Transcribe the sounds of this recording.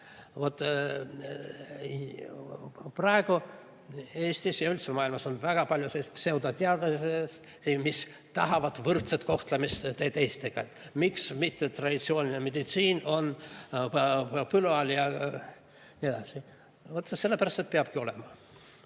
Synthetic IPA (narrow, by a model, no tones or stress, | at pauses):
vo̞t̪ː | prɑeɡ̥u | e̞ːst̪isjɑylt̪semɑːilmɑso̞nvæɡ̥ɑpɑlʲjoseːsse̞wd̪ɑt̪eɑd̪̥ɑses | simis | t̪ɑɦɑvɑd̪vɤrt̪set̪ko̞ht̪lemist̪t̪eːt̪eːst̪eɡ̥ɑet̪ːmiksmit̪ːet̪rɑd̪ʲit̪sio̞ːnʲineme̞d̪̥it̪siːno̞n | pylɑljɑ | nʲied̪̥ɑsi | vot̪ːse̞lːepæɾɑst̪e̞t̪̚peɑb̥kio̞lɛmɑ